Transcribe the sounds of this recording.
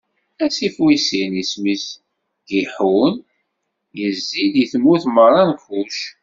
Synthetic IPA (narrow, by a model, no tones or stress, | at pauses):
æsifwisinismis | ɡiħun | jəzːid̪jəθmːuθmərˤɑnfuʃ